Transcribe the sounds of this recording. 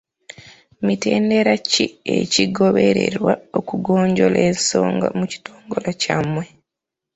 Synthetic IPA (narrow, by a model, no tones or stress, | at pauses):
mite̞ːndeɾaciḛciɡo̞βe̞ɾe̞ɾwaokuɡoːɲɟolenso̞̰ːŋɡa̰muci̥toːŋɡo̞lacamwe